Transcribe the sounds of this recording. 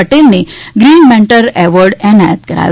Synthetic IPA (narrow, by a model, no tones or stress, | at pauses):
əʈelneɡɾiːnmɛɳʈəɾɛʋəɾɖɛnajət̪kəɾa̰